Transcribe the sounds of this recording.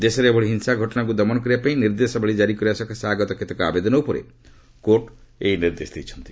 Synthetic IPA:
d̪esɔɾeebʱɔɭiɦinsaɡʱɔʈɔnak̬ud̪ɔmɔnɔk̬ɔɾiapaĩniɾd̪esɔbʱeɭid͡ʒaɾikɔɾiasɔkʰasaɡɔt̪ɔkʰet̪ɔkɔa̰bed̪ɔnɔupɔɾḛ | koɾʈejniɾd̪esd̪ejt͡ʃʰɔ̥nt̪i̥

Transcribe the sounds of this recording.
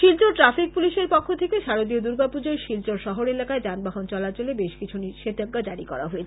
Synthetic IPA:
ʃilt͡ɕoʈɾafik̚puliʃeɾpɔkʰːot̪ʰekeʃaɾod̪iod̪uɾɡapud͡ʑoeʃilt͡ɕoɾʃɔɦoɾelakaed͡ʑanbaɦont͡ɕɔlat͡ɕolebeʃkit͡ɕʰuniʃet̪aɡːad͡ʑaɾikɔ̰ɾa̰ɦoet͡ɕʰ

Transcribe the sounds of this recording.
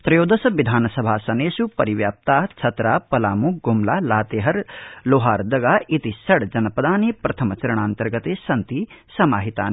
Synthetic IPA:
t̪ɾɐjoːd̪ɐsɐʋid̪ʱaːnɐsɐbʱaːsɐneːsupɐɾiʋjaːp̚t̪aːɦt͡ʃʰɐt̪ɾaːpɐlaːmukɡumlaːlaːt̪eːɦɐɾloːɦaːɾd̪ɐɡaːʔit̪isɐɽd͡ʒɐnɐpɐd̪ʱaːnepɾɐt̪ʰɐmɐt͡ʃɐɾɐɳ̃aːnt̪ɐɾɡɐt̪eːsɐnt̪isɐmaːɦit̪a̰ːn

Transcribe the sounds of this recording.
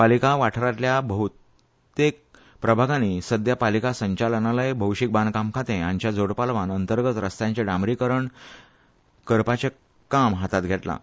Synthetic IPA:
palikaʋaʈʰɾat̪ljabəɦut̪ | t̪ek̚ | pɾəbʱaɡãnisəd̪japalikasəɲt͡ɕalnalajbʱəwɕik̚bankamkʰat̪ẽãɲt͡ɕjad͡zoɽpalʋanənt̪əɾɡət͡s̪ɾəst̪jãɲt͡ɕeɖamɾikəɾəɳ | kəɾpat͡ɕe | kamɦat̪at̪̚ɡʱet̪la̰

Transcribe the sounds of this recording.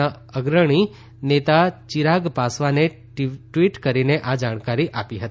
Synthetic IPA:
a | əɡɾəɽ̃i | net̪at͡ʃiɾaɡpasʋane | ʈʋiʈkəɾineʔad͡ʒaɽ̃kaɾiʔapiɦət̪i

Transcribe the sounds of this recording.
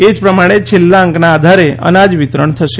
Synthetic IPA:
ed͡ʒpɾəmaɽ̃et͡ʃʰelːaəŋknaːd̪ʱaɾeʔə̰nad͡ʒʋit̪ɾəɳt̪ʰəʃe

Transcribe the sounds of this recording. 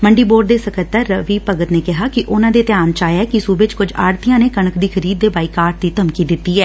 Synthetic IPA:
məɳɖiːboːɖ̚d̪eːsəkət̪ːəɾːəʋiːpəɡət̪neːkɪɦaːkɪʔʊnãːd̪eːt̪ɪjaːnt͡ʃaːjɛːkɪsuːbet͡ʃkʊd͡ʒa̰ːɾt̪ɪjãːneːkəɳəkd̪iːkʰəɾiːd̪̚ːeːbaːiːkaːɾʈ̚d̪iːt̪əmkiːd̪ɪt̪ːiːɦɛː

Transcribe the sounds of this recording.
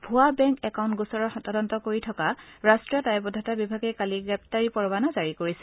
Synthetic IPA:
bʱuabɛŋkɛkaw̃ntɡusɔɹɔɹxɔtadɔntɔkoɹitʰɔkaɹastɹiɔtajbɔdʱatabibʱaɡɛjkaliɡɹɛp̚taɹipɔɹbanazaɹikoɹisɛ

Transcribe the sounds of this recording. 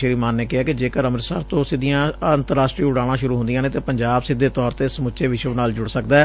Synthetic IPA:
əɾiːmaːnːeːkɪɦaːkɪd͡ʒeːkəɾəməɾsa̰ːɾt̪õːsɪd̪ijãːənt̪əɾaːsʈɾiːʊɽaːɽãːʃʊɾuːɦʊnd̪ijãːnẽːt̪eːpəɲd͡ʒaːbsɪd̪ːeːt̪ɔːɾt̪eːsəmʊt͡ʃeːʋɪʃəʋnaːld͡ʒʊɽsəkd̪aːɛː

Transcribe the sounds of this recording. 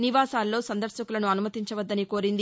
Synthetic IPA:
niʋaːsaːlːo̞ːsɐnd̪ɐɾʃɐkulɐnuɐnumɐt̪iɲt͡ʃɐʋɐd̪ːɐniko̞ːɾind̪i

